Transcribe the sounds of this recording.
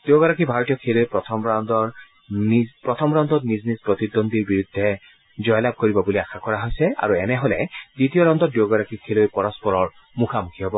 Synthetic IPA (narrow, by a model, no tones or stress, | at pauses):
d̪̥eoɡɔɹakibʱaɹɔt̪ijɔkʰilojpɹɔt̪ʰɔmɹand̪ɔɹ | pɹɔt̪ʰɔmɹand̪ɔtniznispɹɔt̪id̪ond̪iɹbiɹud̪ʱːɛ | zɔjlab̚koɹibɔbuliaxakɔɹaɦojsɛa̰ɹuɛnɛɦɔlɛ̰ditijɔɹɔnd̪ɔt̚d̪eoɡɔɹakikʰelojpɔɹɔspɔɹɔɹ | mukʰamukʰiɦɔbɔ